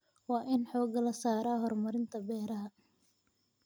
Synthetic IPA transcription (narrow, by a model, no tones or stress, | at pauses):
wɑːʔɪnħɔːɡɐlɐsaːɾaːɦɔrmɐɾɪnt̪ʰɐbɛːɾɐɦɐ